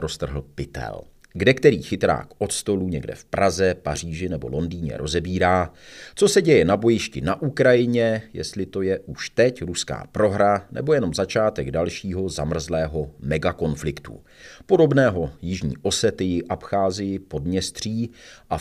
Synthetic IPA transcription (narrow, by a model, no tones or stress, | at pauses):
ɾo̞st̪r̩ɦl̩pɪt̪ɛ̰l | ɡdɛkt̪ɛɾiːxɪt̪ɾa̰ːkʔo̞t̪st̪o̞luɲɛɡdɛ̰fpɾʔazɛpar̝iːʒɪnɛbo̞̰lo̞ndiːɲɛ̰ɾʔo̞zɛbiːɾaːt͡so̞sɛɟɛjɛnabo̞jɪʃcɪnaʔukɾajɪɲɛjɛ̰st̪lɪt̪o̞jɛʔuʃt̪ɛcɾuska̰ːpɾo̞ɦɾanɛ̰bo̞jɛno̞mzat͡ʃaːt̪ɛɡdalʃiːɦo̞zamr̩zlɛːɦo̞mɛɡako̞nflɪkt̪ṵ | po̞do̞bnɛːɦo̞jɪʒɲḭːʔo̞sɛt̪ɪjɪʔapxaːzɪjɪpo̞dmɲɛst̪r̝̥iːʔa